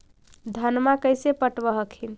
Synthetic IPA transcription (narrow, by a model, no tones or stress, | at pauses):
d̪ʱənmakəjsepəʈbəɦəkʰin